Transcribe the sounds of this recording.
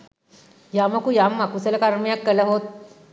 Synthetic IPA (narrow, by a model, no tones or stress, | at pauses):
jamɐkujamːakusələkaɾmijakːələɦot̪̚